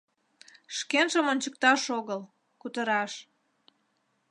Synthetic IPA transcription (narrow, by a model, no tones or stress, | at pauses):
ʃkenʒəmonʲt͡ɕək̚t̪ɑʃoɣəl | kut̪əɾɑʃ